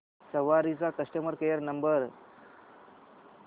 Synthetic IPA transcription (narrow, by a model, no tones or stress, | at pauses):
səʋaɾit͡sakəsʈəməɾkejəɾnəmbəɾ